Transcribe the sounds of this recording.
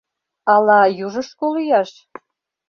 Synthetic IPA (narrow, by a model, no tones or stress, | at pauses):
ɑlɑjuʒə̆ʃkolyjɑʃ